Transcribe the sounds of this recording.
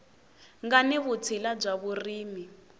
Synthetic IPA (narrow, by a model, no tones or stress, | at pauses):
ŋɡaniβut͡sʰilab͡ʐaβuriːmi